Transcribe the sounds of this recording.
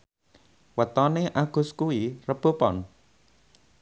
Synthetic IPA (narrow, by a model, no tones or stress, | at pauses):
wət̪ɔneʔaɡ̥uskuirəb̥opɔ̰n